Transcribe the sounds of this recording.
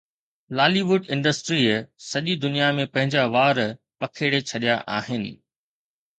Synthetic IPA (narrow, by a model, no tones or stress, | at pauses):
laːliʋʊɖɪ̃ɳɖəsʈɾiːsɐʄid̪ʊnijamẽpɐ̃ɦɪ̃ɲd͡ʑaʋaːɾ | pɐkʰeːɽet͡ɕʰɐɗijaʔaːɦɪnɪ̆